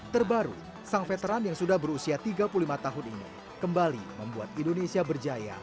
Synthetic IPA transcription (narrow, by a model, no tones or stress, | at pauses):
t̪ərbaɾṵ | saŋfet̪əɾanjaŋsudahbəɾusiat̪iɡapululimat̪aɦʊninḭ | kəmbalḭməmbuat̪indonesiabərd͡ʒaja̰